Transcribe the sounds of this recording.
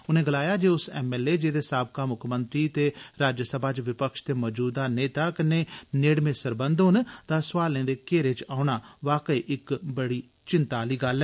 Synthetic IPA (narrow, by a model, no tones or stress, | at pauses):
ʊnẽːɡəlaːjaːd͡ʒeːʊsɛːmɛːleːd͡ʒeːd̪eːsaːb̚kaːmʊkʰmənt̪ɾiːt̪eːɾaːd͡ʒəsəbʱaːt͡ʃʋɪpəkʃt̪eːmɔːd͡ʒuːd̪aːneːt̪aːkɪnːeːneːɽmẽːsəɾbənd̪ɦʊnt̪aːsʋaːlẽːd̪eːkeːɾeːt͡ʃaːʊɳaːʋaːkəiːʔɪkbəɽiː | t͡ʃɪnt̪aːliːɡəlɛː